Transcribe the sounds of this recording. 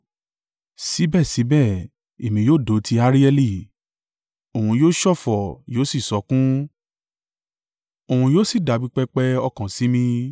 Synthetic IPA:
si˨˦bɛ˦˨si˨˦bɛ˦˨ | e˨mĩ˨˧joː˦˨do˨˦ti˧a˧˦ɾi˦ɛ˧li˦˨ | o˨ũ˧joː˦ʃɔ˦˨fɔ˨joː˨˦si˦˨sɔ˨˦kũ˦ | o˨hũ˧joː˦si˦˨da˨˦bi˦k͡pɛ˧k͡pɛ˧ɔ˧kã˨si˨˦mĩ˧

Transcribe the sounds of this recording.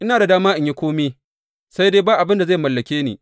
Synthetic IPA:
ʔɪ˦naː˨da˨daː˦maː˦ʔɪ˨ɲji˦kʷoː˦meː˦ | sa˦jdeː˦baː˦ʔa˨bɪ˦nda˨za˦˨jmɐ˨lːɐ˨kʲeː˦nḛː˨

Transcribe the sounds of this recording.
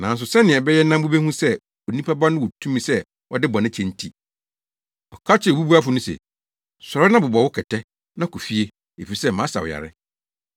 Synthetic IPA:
nã˨n˦s̬ʊ˨sɛ˦nɪ̃˨ɛ˨bɛ˦jɛ˦nã˦m˦bʊ˦be˦hũ˦sɛ˦ | ɔ˨nĩ˦pʰa˦ba˦nʊ̃˦wʊ˨tʰũ˦mĩ˨sɛ˦ | wɔ˦dɪ˦bɔ˨nɪ̃˦t͡ɕʰɛ̃˨n˦tʰi˨ | ɔ˨kʰa˦t͡ɕʰɪ˦˨bu˦bu˦a˦fʊ˨˦nʊ̃˦sɛ̰˨ | sɔ˨ɾɔ˦nã˦bʊ˨bɔ˨wʊ˦kʰɛ˨tʰɛ˦ | nã˦kʰɔ˨fi˦e˦ | e˨fi˨i˨sɛ˦˨mã˨˦sa̰˨w̰ja̰˨ɾɪ̰˦

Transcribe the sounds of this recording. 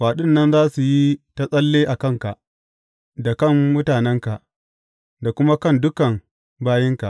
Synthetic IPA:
ɸaː˨ɗʊ˦nːɐ˦nzaː˦su˨ji˦ta˦sʼɐ˦lːeː˦ʔa˨kɐ˦˨ŋka˨ʔ | da˨kɐ˦˨mmʊ˦taː˨nɛ˦ŋka˨ʔ | da˨kʷʊ˦ma˦kɐ˦˨ndʊ˦kɐ˨m | baː˦jɪ˦ŋka˨ʔ

